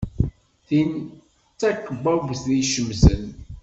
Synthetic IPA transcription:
θin | t͡sːækːəbævsðiʃəmsən

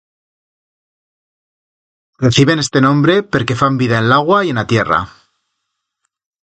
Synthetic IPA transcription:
re̞θiβ̞e̞ne̞st̪e̞nõ̞mbɾe̞pe̞ɾke̞fambiðaenlaɣ̞waie̞nat̪je̞ra̰

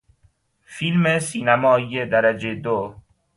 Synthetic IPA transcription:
filmesiːnæmɒːijed̪æɾæd͡ʒed̪o

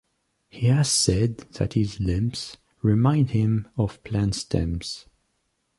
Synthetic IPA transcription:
hihæz̥sɛd̪̚ðɨ̰thɪzlɪ̃mps | ɹɨmãɪ̃nd̚hɪ̃mɔv̥pʰl̥æ̃nstʰɛ̰̃ms

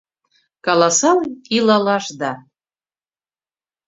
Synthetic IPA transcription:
kɑlˠɑsɑlilɑlɑʃd̪ɑ

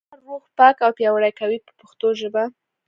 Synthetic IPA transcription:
aɾwoxpɑkawpjɑwaɽajkawipə̥pʊxt̪oʒəba

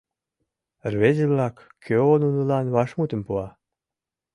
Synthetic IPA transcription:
rβezeβlɑkːʰ | øonunəlɑnβɑʃmut̪ə̆mpuɑ

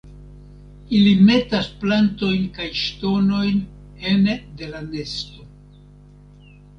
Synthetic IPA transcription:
ilime̞tasplanto̞jnkajʃto̞no̞jn | ende̞lane̞sto̞

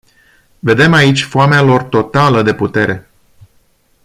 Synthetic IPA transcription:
ve̞d̪e̞mait͡ʃʲfoamealo̞rt̪o̞t̪aləd̪e̞put̪e̞ɾʔe̞

